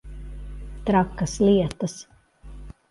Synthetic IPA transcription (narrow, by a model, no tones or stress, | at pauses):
t̪ɾakːɐslʲiɛt̪ɐs